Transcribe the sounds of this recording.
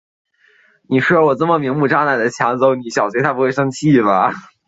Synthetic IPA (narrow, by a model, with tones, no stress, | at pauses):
ni˨˩ʂwɔ˨˩t͡sɤ˥˩mə˩mi˧˥ŋmu˥˩ʈ͡ʂɑ˥˧na˥˩ɪd̪ə˩t͡ɕʰjɑ˧˥ŋt͡so˧˥ʊni˧˩ɕjɑ˨˩ʊt͡ɕʰɥ̪ʰa˥˩pu˧˥xwe˥˩ɪʂɤ˥ŋt͡ɕʰi˥˩bɐ˩